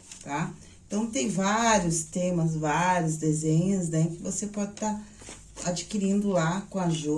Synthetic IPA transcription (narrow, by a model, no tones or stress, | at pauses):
t̪a | ẽt̪ɐ̃w̃t̪ẽj̃vaɾjʊst̪ẽmɐs̬vaɾjʊzd̪ezẽɲʊznɛ̃kɪvosepɔd͡ʒɪt̪aɾ | ad͡ʒikiɾĩnd̪ʊlakõaʒu